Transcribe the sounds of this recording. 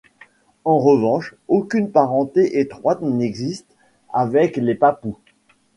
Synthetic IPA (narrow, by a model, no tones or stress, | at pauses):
ɑ̃ʁəvɑ̃ʃokʲynpaʁɑ̃t̪eʔet̪χwat̪nɛɡzist̪ | avɛklepapu